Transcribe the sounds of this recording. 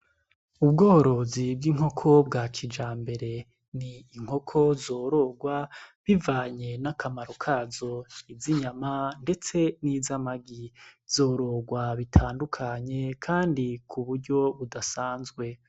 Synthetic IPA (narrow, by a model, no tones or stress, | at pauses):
ubɡoːɾo̞zib̚ɡiːŋɦo̞kʰo̞bɡat͡ʃid͡ʒaːmbe̞ɾe̞ | niːŋ̥ho̞kʰo̞zoːɾo̞ɡwaβivaːɲe̞nakʰamaɾokʰazo̞iziɲamande̞t͡se̞niːzamaɡiz̥o̞ːɾo̞ɡwaβitʰaːndukʰaɲe̞kʰaːndikʰuβuɾɟo̞βudasaːnzɡwe̞